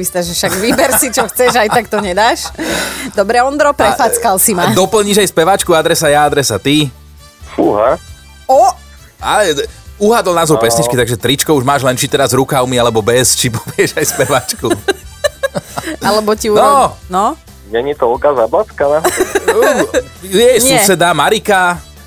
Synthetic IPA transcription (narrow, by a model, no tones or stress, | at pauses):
mist̪aʒɛʃaɡʋibɛɾsit͡ʃɔxt͡sɛʒajt̪ak̚t̪ɔɲɛd̪aːʃd̪ɔbɾɛɔnd̪ɾɔpɾɛfat͡skalsimad̪ɔpl̩ɲiʒajspɛʋat͡ʃkuad̪ɾɛsajaad̪ɾɛsat̪i | fuɦa | ɔ | alɛuɦad̪l̩naːzɔɾpɛsɲit͡ʃkkit̪aɡʒɛt̪ɾit͡ʃkɔuʒmaːʒlɛnt͡ʃit̪ɛɾazɾukaʊmialɛbɔbɛst͡ʃipɔ̥bɪɛʒajspɛʋat͡ʃku | alɛbɔciunɔnɔ | ɲɛɲit̪ɔlkazablat͡skana | jɛjsuɛsɛd̪amaɾika